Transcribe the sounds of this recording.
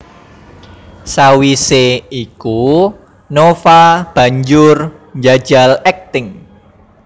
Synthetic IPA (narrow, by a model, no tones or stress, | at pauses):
sawiseiku | nofab̥ä̤ɲd͡ʒʊrɲd͡ʒad̥ʒ̥a̤lɛk̚t̪ɪŋ